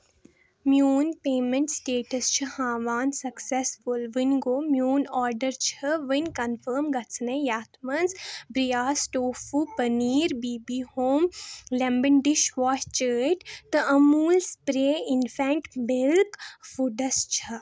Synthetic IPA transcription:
mjuːnpeːmə̃ɳʈsʈeːʈəst͡ʃʰɐhãːʋaːnsɐksesfʊlʋinɡoːmjuːnɔːɾɖəɾt͡ʃʰɐʋinkɐnfəːɾmɡɐt͡sʰnẽjaːt̪ʰmɐnzbɾijaːsʈoːfupɐniːɾbiːbiːhoːmlɛ̃mbəɳɖɪʃʋaːst͡ʃəːʈt̪ɨʔɐmuːlspɾeːɪnfɛ̃ːɳʈmɪlkfuɖɐst͡ʃʰɐ

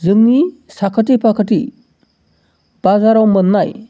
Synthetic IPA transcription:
zɯŋnisakʰət̬ipʰakʰətḭ | b̥azaɾawmɯnːaj

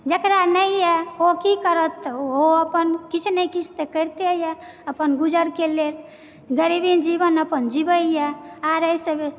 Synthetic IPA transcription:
d͡ʒəkɾanəijɛokikəɾət̪ːoəpənkit͡ʃʰnəkit͡ʃʰt̪ekəɾt̪ejɛ | əpənɡud͡ʒəɾkelel | ɡəɾibind͡ʒibənəpənd͡ʒibəijɛaɾəjsəb

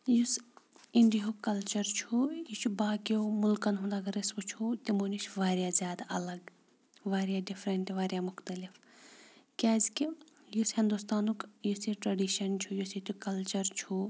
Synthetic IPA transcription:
jusiɳɖiɦukɐlt͡ʃɐɾt͡ʃʰujit͡ʃʰubaːkiomʊlkɐnɦund̪aːɡɐɾisbut͡ʃʰut̪imoːnit͡ʃʋaːɾijazʲjaːd̪aʔɐlɐɡ | ʋaːɾjaːɖifʰɾɐɳʈʋaːɾjamʊxt̪ɐlif | kʲaːzki | jushĩnd̪ust̪aːnukjusiʈɾɐɖiʃɐnt͡ʃʰujusit̪ukɐlt͡ʃɐɾt͡ʃʰu

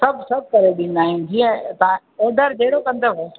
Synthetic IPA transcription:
sɐbʱsɐb̚ʱkɐɾeɗɪ̃n̆d̪aːɦĩnd͡ʒiːə̃t̪a | eːd̪əɾd͡ʑeːɽokɐ̃nd̪oɦoː

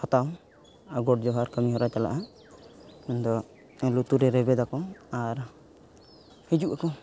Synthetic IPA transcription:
hɔt̪aw | aɡɔʈ̚d͡ʒɔɦaɾkəmiɦɔɾat͡ʃala̰ʔa | mɛnd̪ɔ | ɛlut̪uɾɛɾɛbɛd̪akɔaɾ | hid͡ʒuʔakɔ

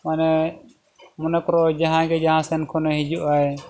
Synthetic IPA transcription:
manɛ | mɔnəkɾɔd͡ʒaɦãɡɛd͡ʒaɦãsɛnkʰɔnɛɦid͡ʒuʔaj

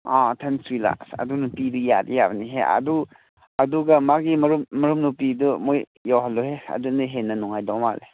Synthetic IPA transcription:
atʰensɾila̰ksɐ̰dunupidujadijabɐniɦeɐ̰du | ɐduɡɐmaɡimɐɾummɐɾumnupidumoj | jawɦalːɔheɐ̰dunɯɦenːɐnuŋajdɔma̰le

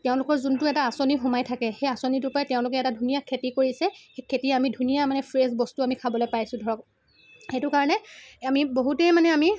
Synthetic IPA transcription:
tɛʊ̃lʊkɔɹzuntʊɛtaːsonixʊmajtʰakɛxejasonitʊpatɛʊ̃lʊkɛɛtadʱunijakʰetikoɹisɛxekʰetiɛamidʱunijamanɛpʰɹezbɔstuamikʰabɔlojpajsʊ̃dʱɔɹɔk̚ | etʊkaɹɔnɛamiboɦutɛmanɛami

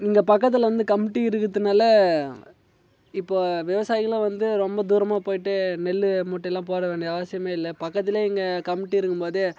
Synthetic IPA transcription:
niŋɡɐpɐkːɐt̪̬ːɪlʋɐnd̪ɯkɐmɪʈːiɪɾɯkːɯðɯnaːlɐ | ɪpːoːʋɪʋɐsaːjɪɣɐlʋɐnd̪ɯɾɔmbɐd̪uːɾɐmaːpoːjɪʈːɯnɛlːɯmuːʈːɐɛlːãːpoːɾɐʋeːɳɖiɐɐʋɐsɪjɐmeːɪlːɐpɐkːɐt̪ːɪleːɪŋɡɐkɐmɪʈːiɪɾɯkːɯmpoːðɯ

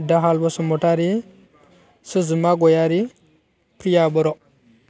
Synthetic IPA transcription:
daɦalbosumotaɾi | səzəmaɡojaɾi | pɾijaɓəɾo

